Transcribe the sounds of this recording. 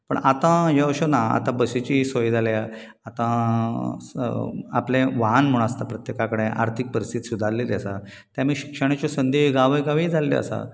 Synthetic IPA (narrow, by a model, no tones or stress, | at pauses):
pə̰ɳat̪ãɦeəɕonaa̰t̪ãbəsit͡ɕisojd͡zʱalja | at̪ã | aplẽʋaɦnm̤uɽ̃ast̪apɾət̪jekakəɽẽʔa̰ɾt̪ʰik̚pəɾist̪id̪sud̪ʱalːeljasa | t̪jamiːɕi̥kʂəɽ̃at͡ɕɔsənd̪eɡaʋəjɡaʋiːd͡zʱaleḭə̰sa̰